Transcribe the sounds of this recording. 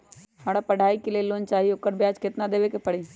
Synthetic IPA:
ɦãːɽ̃apəɽʱaːikelieloːnt͡ʃaːɦioːkəɾbjaːt͡ʃket̪nad̪eːʋekepɐɽiː

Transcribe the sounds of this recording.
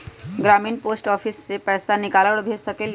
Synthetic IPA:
ɡɾaːmiːnpoːsʈɔːfʰisːepɛːsanɪkaːləɽbʱeːd͡ʒsɐkel

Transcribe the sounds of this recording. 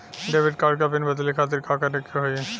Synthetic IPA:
ɖebʱiɖ̚kaɾkapinbɛt̪olikʰat̪̬eɾkakaʈekeɦoje

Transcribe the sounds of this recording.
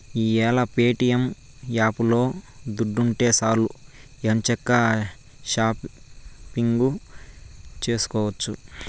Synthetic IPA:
iːɛːlɐpeːʈijɐm | jaːpulo̞ːd̪uɖːuɳʈe̞ːsaːluent͡ʃɛkːɐ | ʃaːppiŋɡu | t͡ʃe̞ːsu̥kɔːʋɐt͡ʃːu

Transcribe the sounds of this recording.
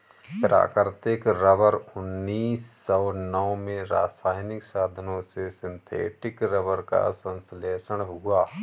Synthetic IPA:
pɾa̰ːkəɾt̪ɪkɾəʋəɾʊnːiːsːɔːnɔwmẽɾaːsaːjnɪksaːd̪ʱənõsesɪ̃nt̪ʰḛːʈɪkɾəʋəɾka̰sə̃nsleːsəɽ̃ɦuaː

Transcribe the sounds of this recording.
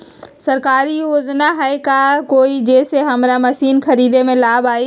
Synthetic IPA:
sɐɾkaːɾioːznaɦɛekaːkoːid͡ʑeːseɦɐmɾamɐsiːnxʰɐɾiːd̪emẽlaːbaːi

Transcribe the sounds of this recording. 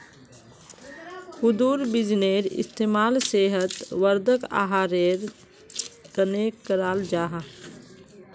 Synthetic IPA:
hʊd̪uːɾbɪd͡ʒneːɾɪ̰st̪eːmaːlseːɦət̪ʋəɾd̪ʱəka̰ːɦaːɾeːɾ | kənekəɾaːld͡ʒaːɦa

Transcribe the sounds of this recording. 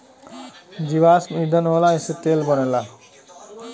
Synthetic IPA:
d͡ʒiʋaːsmid̪ənolaeset̪eːlbənela

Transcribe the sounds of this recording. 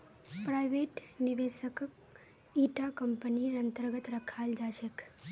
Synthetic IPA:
pɾajʋeʈniʋeʃək | iʈakəmpəniɾənt̪əɾɡət̪ɾəkʰald͡ʒaʃek

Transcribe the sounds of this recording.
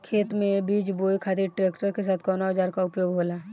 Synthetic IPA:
kʰeːt̪mẽbiːd͡ʒboːjkʰat̪iʈɾeːkʈəɾkes̬aːt̪ʰkɔnaɦəd͡ʒaːɾkaʊpjoːɡɦoːla

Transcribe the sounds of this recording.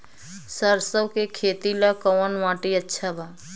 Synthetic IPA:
səɾsəbkekʰeːt̪ilakəːnʋãːʈiətːʃʰabʱa

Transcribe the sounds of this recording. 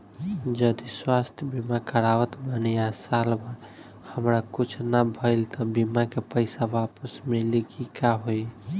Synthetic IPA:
d͡ʒəd̪iswast̪ʰjəbimakəɾawət̪banijasalbaɾ | həmɾakut͡ʃʰnabʱəɪlt̪ɔbimakepəɪsabapəsmelikikaɦoj

